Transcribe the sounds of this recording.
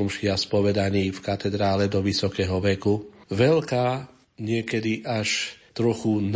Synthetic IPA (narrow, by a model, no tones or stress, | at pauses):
ɔmʃɪaspɔʋɛd̪aɲiːfkat̪ɛd̪ɾaːlɛd̪ɔʋisɔkɛːɦɔʋɛkuʋɛlkaː | ɲɪɛkɛd̪iʔaʃt̪ɾɔxun